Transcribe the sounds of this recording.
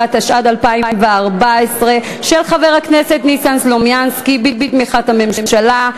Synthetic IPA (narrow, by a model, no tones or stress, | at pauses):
ataʃʔadalpaiimveaʁbaesʁe̞ | ʃe̞lχave̞ʁ̞aknesetnisanslomjanskibibitmiχathame̞mmʃala